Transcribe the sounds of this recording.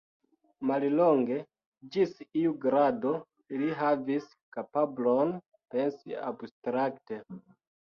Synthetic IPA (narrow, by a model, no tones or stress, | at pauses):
malloŋɡe̞ | d͡ʒisiuɡɾado̞ | iliɦavis | kapablo̞n | pe̞nsia̰bstɾakte